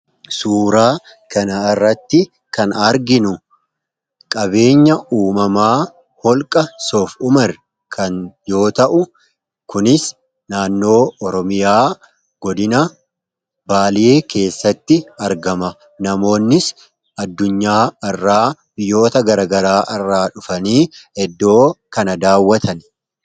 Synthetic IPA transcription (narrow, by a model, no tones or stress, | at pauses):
suːɾaː | kɐnɐɪrːɐt̪ːɪ | kɐnɐɾɡɪnʊ | kʼɐbe̞ːɲːɐʔuːmɐmaː | hɔlkʼɐsoːfʊmɐr | kʰɐnjo̞ːt̪ɐʔʊ | kʊnɪs | naːnːo̞ːɔɾɔmɪjaː | ɡ̥ɔd̪ɪnɐ | baːlɪeːkʰe̞ːsːɐt̪ːɪɐɾɡɐmɐ | nɐmo̞ːnːɪs | ɐd̪ːʊɲːaːɐrːaːbɪjːo̞ːt̪ɐɡɐɾɐɡɐɾaːʔɐrːaːᶑʊfɐniːhɛd̪ːo̞ːkɐnɐd̪aːwːɐt̪ʰɐn